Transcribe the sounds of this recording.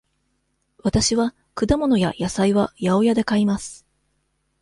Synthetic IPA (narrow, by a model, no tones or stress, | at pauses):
βat̪aɕiβa | kɯ̟d̪amo̞no̞jajasaiβajao̞jad̪e̞kaimasɨ̥